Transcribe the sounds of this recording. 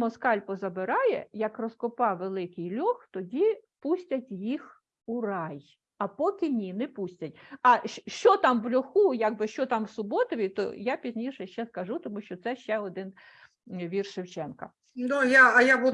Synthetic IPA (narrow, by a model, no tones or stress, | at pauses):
mɔskɑlʲpɔzɐbɪɾɑjɛ̰jɐkrɔskɔpɑʋelˠɪkɪjlʲɔxt̪ɔdʲi | pusʲtʲɐtʲjix | urɑj | ɐpɔkʲɪnʲinɛpusʲtʲɐtʲɐʃʃt͡ʃɔt̪ɑmʋlʲɔxujɑɡ̚bɪʃt͡ʃɔt̪ɑmwsʊbɔt̪ɔʋʲit̪ɔ̰japʲizʲnʲiʃɛʃt͡ʃɛskɐʒut̪ɔmuʃt͡ʃɔt̪sɛʃt͡ʃɛɔd̪ɪn | ʋʲirʃɪwt͡ʃɛnkɐ̰ | nujaɐjabu